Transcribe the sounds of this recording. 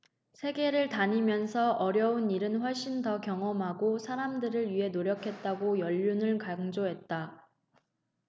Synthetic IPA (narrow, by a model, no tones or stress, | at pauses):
sʰe̞ɡe̞ɾɯɭtaɲimjʌnsʰʌʔʌɾjʌuniɾɯnɸwʌɭɕ͈intʌkjʌŋʌmɦaɡosʰaɾamdɯɾɯɭɥiɦe̞noɾjʌkʰe̞t̚t͈aɡojʌʎːunɯɭkaŋd͡ʑoɦe̞t̚t͈a